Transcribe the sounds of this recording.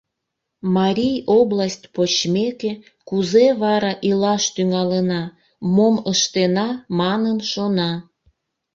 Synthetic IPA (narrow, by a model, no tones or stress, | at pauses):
mɑɾʲijoblasʲtʲpot͡ɕmeke | kuzeβɑɾɑʔilɑʃt̪yŋɑlənɑ | moməʃt̪enɑmɑnənʃonɑ